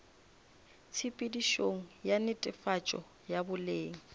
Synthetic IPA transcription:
t͡sʰipʼidiʃoŋ̩janɪtʼɪfat͡ʃʼɔ̰ | jabʊleːŋ̩

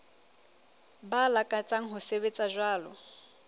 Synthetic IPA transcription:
balakʼat͡sʼaŋ̩ɦʊseβet͡sʼaʒwaːlɔ

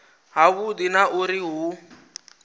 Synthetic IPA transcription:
ɦaβudinaʔuɾiɦu

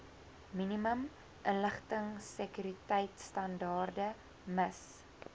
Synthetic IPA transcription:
miniməm | ʔənləχtəŋsəkyɾitɛjtstɐndɑːrdə | məs

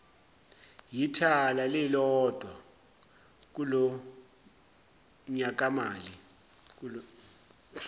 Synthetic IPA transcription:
jitʰalalɛlɔd̥ʱwa | k̬ulɔ | ɲak̬amaːli | k̬u

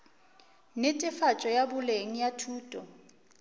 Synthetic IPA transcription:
nɪtʼɪfat͡ʃʼɔjabʊleŋ̩jatʰuːtʼɔ

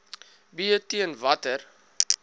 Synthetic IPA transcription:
biətiənvɐtər

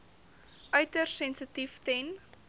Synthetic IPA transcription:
ʔœɥtərsɛnsətiftɛn

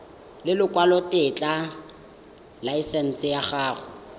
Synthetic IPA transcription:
lɪlʊkwalɔtɪt͡ɬʼa | laisɛn̩t͡sʼɪjaχaːχʊ

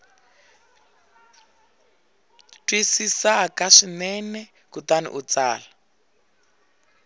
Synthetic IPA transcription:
tʼwisisakaʂinɛnɛ | kutanḭʔut͡saːla

